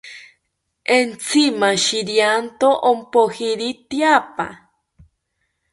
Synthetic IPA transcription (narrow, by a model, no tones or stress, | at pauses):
ent͡sʰimaʃiɾjant̪oʔompohiɾit̪japa̰